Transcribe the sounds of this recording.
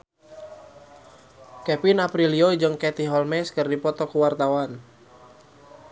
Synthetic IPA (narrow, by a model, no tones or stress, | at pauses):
kɛpinapɾiliod͡ʒəŋkɛt̪iɦɔlmɛskərdipɔt̪ɔkuwart̪awan